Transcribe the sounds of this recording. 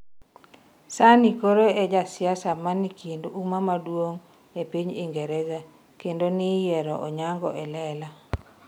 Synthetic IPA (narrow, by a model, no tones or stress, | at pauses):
sanikoɾoed͡ʒasɪasamanikindumamadwoŋ | epiɲiŋɡɛɾɛza | kendonijɛɾɔʔɔɲaŋɡɔʔɛlɛla